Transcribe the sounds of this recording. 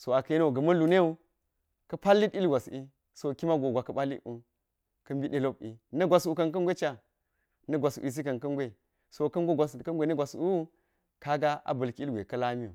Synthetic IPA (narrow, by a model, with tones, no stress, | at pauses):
so˨a˨kɐ˦ji˦no˦˨ɡɐ˨mɐ˦lu˨ne˦u˦ | kɐ˦pa˦lːi˦ti˦lɡʷa˨si˦ | so˨ki˦ma˦ɡo˨ɡʷa˨kɐ˨ɓa˦lːḭ˦u˨ | kɐ˦mbi˦ɗe˦lo˦p̚ḭ˨nɐ˦ɡʷa˨su˨kɐ˨nkɐ˦nɡʷe˦t͡ʃa˨ | nɐ˦ɡʷa˨sṵ˨i˨i˦kɐ˨nkɐ˦nɡʷe˦ | so˨kɐ˦nɡʷe˦ɡʷa˨skɐ˦ɡʷe˨˦nɐ˦ɡʷa˨su˦ | ka˦ɡa˦ʔa̰˨bɐ˨lki˦ɡʷḛ˨kɐ˦la˦mi˦ṵ˨